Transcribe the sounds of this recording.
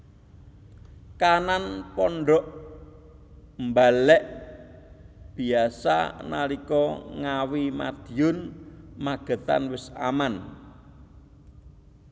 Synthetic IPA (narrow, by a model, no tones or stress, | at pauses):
kananpɔɳɖɔʔ | mbalɛʔ | b̥i̤asa̰na̰likɔŋawima̰d̪̥iʊnmaɡ̥ə̤t̪a̰nwɪsa̰man